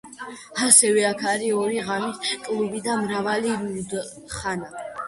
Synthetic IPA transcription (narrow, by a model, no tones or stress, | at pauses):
asɛvɛakʰaɾiɔɾiʁamit̪kʼlubid̪amɾavaliɾud̪ | χana